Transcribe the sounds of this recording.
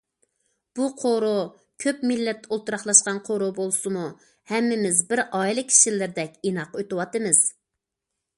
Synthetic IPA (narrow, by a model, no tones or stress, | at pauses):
b̥uqʰoɾu | kʲʰøpmilːɛt̪ʰːɛolˠt̪uɾɑχlˠɑʃqɑnqʰoɾubolˠsɨmu | hɛmːɪmɪzbɪɾɑilˠɨkʲʰːi̥ʃilːɪɾd̪ɛkʲinɑqøt̪ɨwɑt̪ɨmɨz̥